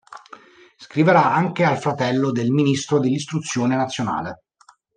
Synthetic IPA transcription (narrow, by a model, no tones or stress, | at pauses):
skɾiveɾaaŋk̟ealfɾat̪ɛlːod̪elminist̪ɾod̪elːist̪ɾut̪sːjoːnenat̪sːjona̰ːle